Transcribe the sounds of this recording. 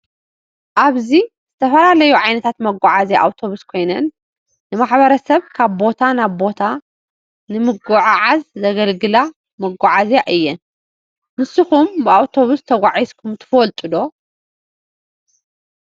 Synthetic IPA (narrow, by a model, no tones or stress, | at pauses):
ʔaβzi | z̥ɨt̪ʰɐfɐlalɐjuʕajnɐt̪ʰat̪mɐɡʷɔʕazeʔa̰wt̪ʰo̞βuskʰo̞jnɐnː | ɨmaħbɐɾɐsɐβkʰaβbo̞t̪ʰanaβbo̞t̪ʰa | nɨmɨɡɔʕaʕazzɐɡɐlɡɨla | mɐɡʷɔʕazaʔɨjːɛn | mɨsɨxumbɨawt̪ʰo̞βust̪ʰɐɡʷaʕizkʰumt̪ʰɨ̥folt̪ʼɨd̪o̞